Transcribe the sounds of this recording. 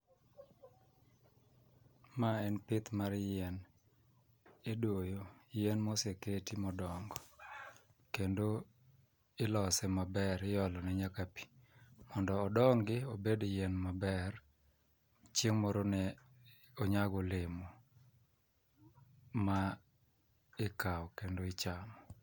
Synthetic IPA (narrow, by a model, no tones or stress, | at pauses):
maɛnpɪt̪maɾjɛn | edwojojɛnmɔseketimɔdɔŋɡɔ | kendo | ɪlɔsɛmabɛɾɪjɔlɔnɛɲakapi̥mɔndɔːdɔŋɡɪobedjɛnmabɛr | t͡ʃeŋmɔɾonɛ | oɲaɡɔlɪmɔ | ma | ɪkaɔkendoɪt͡ʃamɔ